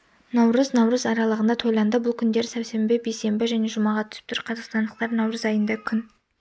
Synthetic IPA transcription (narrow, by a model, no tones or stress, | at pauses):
nɑwɾəznɑwɾəzɑɾɑlˠəʁənd̪ɑt̪ʰo̞jlˠɑnd̪əbʊlˠkʲʰʏnd̪e̞ɾsæwse̞mbebejse̞mbɪʒæne̞ʒʊmɑʁɑt̪ʰʏ̥sɪp̚t̪ʰɾqʰɑzɑqst̪ɑnd̪əq̚t̪ɑɾnɑwɾəzɑjənd̪ɑkʲʰʏn